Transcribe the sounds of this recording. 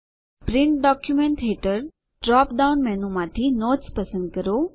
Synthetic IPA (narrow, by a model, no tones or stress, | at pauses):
pɾɪ̃ɳʈɖɔkjumẽɳʈɦeʈəɾ | ɖɾɔːpɖaʊnmɛɦnũmãt̪ʰinoːʈspɐsə̃nd̪̚kəɾo